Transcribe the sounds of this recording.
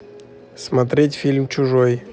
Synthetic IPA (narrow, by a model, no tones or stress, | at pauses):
smɐt̪ɾʲetʲfʲilʲmt͡ɕʊʐoj